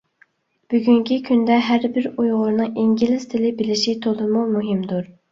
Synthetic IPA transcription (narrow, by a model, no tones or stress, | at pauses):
b̥yɡʲyŋkʲʰikʲʰynd̪ɛɦæɾbɪɾujʁʊɾnɨŋʔiŋɡʲilɪz̥t̪ʰɪlɪbɪlɪʃit̪ʰolˠɨmumuɦɪmd̪uɾ